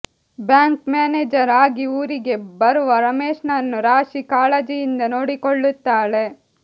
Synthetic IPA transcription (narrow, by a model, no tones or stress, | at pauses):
bjaːŋkmaːneːd͡ʒɐɾaːɡiuːɾiɡe̞bɐɾuʋɐɾɐmeːʂnɐnːuɾaːʃikaːlɐd͡ʒijind̪ɐno̞ːɽikoɭːut̪ːaːɭe̞